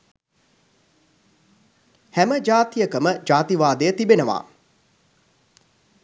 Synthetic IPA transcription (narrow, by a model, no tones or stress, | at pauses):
hæməd͡ʒaːt̪ijəkəməd͡ʒaːt̪iʋaːd̪ejət̪ibenəʋa̰ː